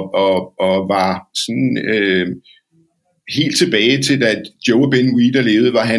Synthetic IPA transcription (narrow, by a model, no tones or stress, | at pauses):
ɒ̽ɒ̽ʋɑ̈sɒ̽nø | he̝̰ːld̥̚t͡sʰe̝b̥ɛːɪt͡sʰe̝ld̥æd̥joʊb̥enwid̥ɐle̝ːʊð̩ˠʋɑ̈ɦæ